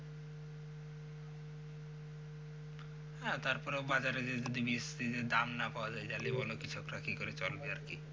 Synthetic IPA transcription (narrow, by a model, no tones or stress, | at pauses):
hɛ̃t̪aɾpɔɾebad͡ʑaɾed͡ʑed͡ʒ̪od̪ʱibist̪id͡ʑed̪amnapaoad͡ʑajd͡ʑalibonokit͡ɕʰokɾakikoɾet͡ɕolbeaɾki